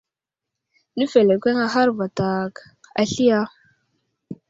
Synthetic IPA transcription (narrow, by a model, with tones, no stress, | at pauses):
ni˦fe˨le˨kʷe˦ŋa˦ɦa˦ɾva˨ta˨k | a̰˨ɬi˦ja˦